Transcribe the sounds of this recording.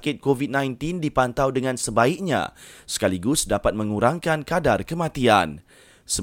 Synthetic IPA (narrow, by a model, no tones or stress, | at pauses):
kɪt̪̚kovid̪̚nãjnt̪indipant̪awdəŋãnsəbaik̚ɲã̰sə̥kaliɡʊsdapat̪̚mə̃ŋuɾaŋkankadarkəmãt̪ian | sə